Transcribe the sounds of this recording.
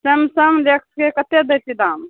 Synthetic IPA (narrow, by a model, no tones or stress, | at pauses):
səmsəmlek̚ʰskekət̪ed̪əjt̪id̪am